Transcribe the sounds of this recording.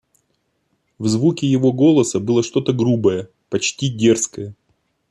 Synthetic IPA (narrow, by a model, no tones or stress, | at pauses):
vzvukʲɪjɪvo̞ɡo̞lˠəsəbɨlˠəʂt̪o̞t̪əɡɾubəjə | pɐt͡ɕtʲidʲe̞rskəjə